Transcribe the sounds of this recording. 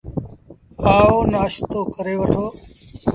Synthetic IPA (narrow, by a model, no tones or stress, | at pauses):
aːoːnaːʃt̪oːkəɾeːʋəʈʰoː